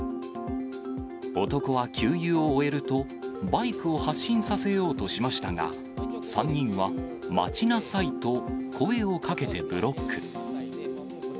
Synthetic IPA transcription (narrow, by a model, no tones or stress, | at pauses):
o̞t̪o̞ko̞βakʲʰɨːjɯːoːe̞ɾɯ̟t̪o̞ | baikɯ̟ohaɕːĩɰ̃sase̞jo̞ːt̪o̞ɕimaɕi̥t̪aŋa̰ | sãɲ̟ːĩɰ̃βa | ma̰t͡ɕinasait̪o̞kʰo̞e̞o̞kake̞t̪e̞bɯ̟ɾo̞kːɯ̟